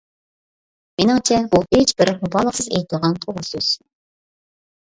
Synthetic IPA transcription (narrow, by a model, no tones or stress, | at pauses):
menɪŋt͡ʃʰɛbuet͡ʃbɪɾχʊbɑlˠəqsɨzḛjt̪ʰɨlˠʁɑnt̪ʰoʁʊsøz̥